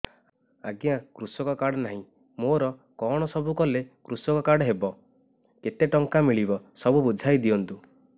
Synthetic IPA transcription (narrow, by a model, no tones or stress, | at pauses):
a̰ɡjãkɾusɔkɔkaɽɔnaɦĩ | moɾɔ | kɔɽ̃ɔsɔbukɔlekɾusɔkɔkaɽɦebɔ | ket̪eʈɔŋkamiɭibɔsɔbubud͡ʒʱajd̪iɔnt̪u